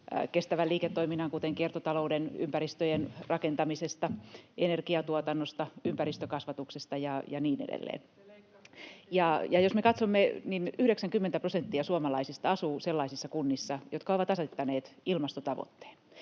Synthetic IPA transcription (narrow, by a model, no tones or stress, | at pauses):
kest̪æʋæliːket̪ːoiminːɑŋkut̪eŋkiert̪ot̪ɑloudeny̰mpæɾist̪øjenrɑkent̪ɑmisest̪ɑenerkiɑt̪uot̪ɑnːost̪ɑympærist̪økɑsʋɑt̪uksest̪ɑjɑjɑniːnḛdḛlːḛːn | jɑjɑjosmekɑt̪somːeninyhɾeksæŋkymːent̪æprosent̪ːiɑsuomɑlɑisist̪ɑɑsuːselːɑisisːɑkunːisːɑjot̪kɑoʋɑt̪ɑset̪ːɑneːt̪ilmɑst̪ot̪ɑʋo̰t̪ːe̥ːn